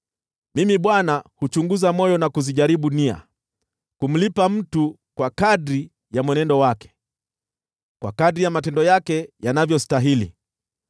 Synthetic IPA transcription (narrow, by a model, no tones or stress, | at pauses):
mimiɓwanahut͡ʃuŋɡuzamɔjɔnakuziʄaɾiɓunia̰ | kum̩lipam̩tu | kwakaɗɾi | jamwɛnɛndɔwakɛ̥ | kwa̰kadɾijamatɛndɔjakɛjanavjɔstaɦilḭ